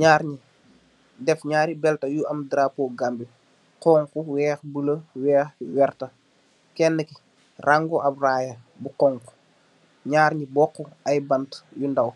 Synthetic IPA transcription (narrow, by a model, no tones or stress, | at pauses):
ɲaːɾɲi | dɛfɲaːɾibɛltɐjuʔɐmdɾaːpɔːɡambi | qɔːŋkuwɛːxbəlɐwɛːxwɛrtɐ | kɛnːəki | rʔaŋɡɔʔɐpraːjɐbukɔːŋku̥ | ɲaːɾɲibɔːkːuɐjbɐntjundɐw